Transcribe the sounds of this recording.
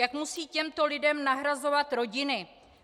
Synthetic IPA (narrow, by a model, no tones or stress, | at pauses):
jakmusiːcɛmt̪olɪdɛmnaɦɾazo̞vat̪ɾo̞ɟɪnɪ